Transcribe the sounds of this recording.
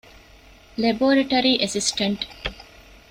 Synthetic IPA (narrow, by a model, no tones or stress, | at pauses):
leboːɾɐʈɐɾiʔesisʈɐɳʈ